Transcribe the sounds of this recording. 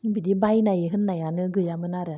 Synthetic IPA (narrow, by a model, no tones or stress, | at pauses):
bidibajnajeɦɯnːajanɯɡɯjamɯnaɾɯ